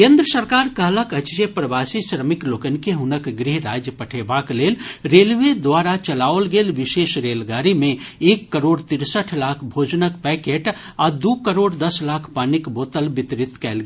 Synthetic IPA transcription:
kẽːnd̪ɾəsəɾkaːɾkəɦləkət͡ʃt͡ʃepɾəʋaːsisɾəmɪkloːkənkeɦʊnəkɡɾiɦɾaːd͡ʒjəpəʈʰeːbakleːlɾeːlʋed̪waːɾat͡ʃəlaːolɡeːlʋɪʃeːʃɾeːlɡaːɾimẽeːkːəɾoːɽt̪ɪɾsəʈʰlaːkʰbʱoːd͡ʒnəkpɛːkeʈ | aːd̪ukəɾoːɖd̪ɐslaːkʰpanɪkboːt̪əlbɪt̪ɾɪt̪kɛːlɡ

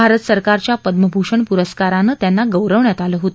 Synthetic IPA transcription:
aɾət̪səɾkaɾt͡ɕjapəd̪məbʱuʂəɳpuɾəskaɾanəːt̪janːaɡəwɾəʋɳjat̪aləːɦot̪

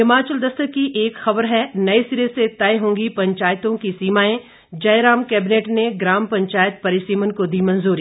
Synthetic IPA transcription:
ɪmaːt͡ʃəld̪ɐst̪əkiʔeːkxɐbəɾɦɛnɐisiːɾeset̪ɐeɦõːŋɡipɐ̃ɲt͡ʃaːjt̪õkisiːmaːẽ | d͡ʒɐjɾaːmkɛːbɪneːʈneɡɾaːmpɐ̃ɲt͡ʃaːjət̪̚pɐɾɪʃiːmənkod̪imɐ̃nzuːɾi

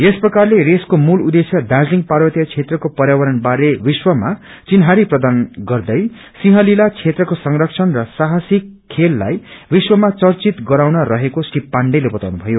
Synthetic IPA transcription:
esprʌkarleɾeskomulud̪esjʌd̪ad͡zliŋɡparwʌt̪ijʌt͡sʰet̪rʌkopʌɾjawʌɾʌnbaɾebiswʌma | t͡sinɦaɾiprʌd̪anɡʌrd̪ʌj | siɦʌ̃lilat͡sʰet̪rʌkosʌŋrʌk̚t͡sʰʌnrʌsaɦasikʰːelːa̰jbiswʌmat͡sʌrt͡sit̪ɡʌɾawnʌɾʌɦekosʈippːaɳɖʌjlebʌt̪awnubʱʌjo

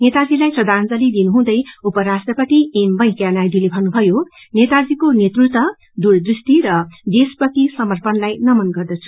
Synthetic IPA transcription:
net̪ad͡zilajprʌd̪ʱand͡zʌlid̪inuɦũd̪ʌjupʌɾasʈrʌpʌt̪iembʌ̃j̃kjanajd̪ilebʱʌnːubʱʌjo | net̪ad͡zikonet̪rut̪ʌ | d̪uɾd̪risʈ̪iɾʌd̪espʌt̪isʌmʌrpʌnlajnʌmʌnɡʌrd̪ʌt͡sʰu̥

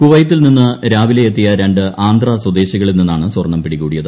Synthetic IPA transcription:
kuʋɐjɐt̪ːilninːɨɾaːʋileet̪ːijɐɾeɳɖɨʔaːnd̪rɐswɐd̪e̞ːɕiɣɐɭilninːaːɳɨswɐrɳːɐmpiɽikuːɽijɐðɨ

